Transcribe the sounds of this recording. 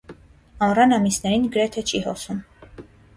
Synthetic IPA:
ɑrɑnɑmisnɛɾinɡəɾɛt̪ʰɛt͡ʃʰihɔsum

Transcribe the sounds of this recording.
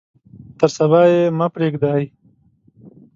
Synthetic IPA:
t̪əɾsɐβaːjemapɾeːɡd̪aːj

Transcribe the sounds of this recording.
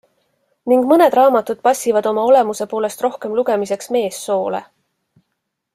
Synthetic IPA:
niŋɡ̥mɤne̞d̪̥rɑːmɑt̪ud̪̥̚pɑsːivɑd̪̥o̞mɑo̞le̞muse̞po̞ːle̞st̪ro̞hke̞mluɡ̥e̞mise̞ksme̞ːsːo̞ːle̞̰

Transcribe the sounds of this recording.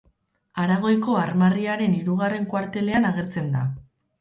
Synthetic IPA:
aɾaɣ̞o̞jko̞aɾmariaɾe̞niɾuɣare̞ŋkwaɾt̪e̞le̞anaɣ̞e̞ɾt͡se̞nd̪a̰

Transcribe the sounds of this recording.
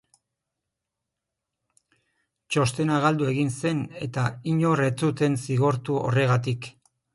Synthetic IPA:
t͡ʃo̞st̪e̞naɣ̞ald̪ue̞ɣinse̞ne̞t̪aiɲo̞re̞t͡sut̪e̞nsiɣ̞o̞ɾt̪uo̞̰re̞ɣ̞at̪ik

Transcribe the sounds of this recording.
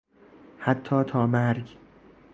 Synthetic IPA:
hat̪ʰːɒːt̪ʰɒːmæɾɡ

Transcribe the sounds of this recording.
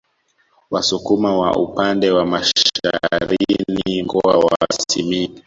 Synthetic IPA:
wasukumawa̰ʔupandɛwamaʃʃaɾinniŋɡɔawasimi

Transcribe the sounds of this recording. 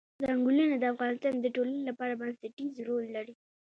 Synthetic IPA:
d̪aŋɡulanad̪əafɣɑnɪst̪ɑnd̪əʈolanelapɑɾabansaʈizɾolːaɽi

